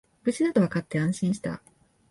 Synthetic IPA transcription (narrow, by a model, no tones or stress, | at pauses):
bɯ̟t͡ɕid̪at̪oβakat̪ːe̞ãɰ̃ɕĩɰ̃ɕi̥t̪a̰